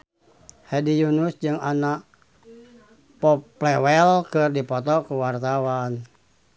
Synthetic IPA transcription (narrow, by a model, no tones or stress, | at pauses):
hɛdijunusd͡ʒɨŋanaʔ | pɔplɛwɛlkɨrdipɔt̪ɔkuwart̪awan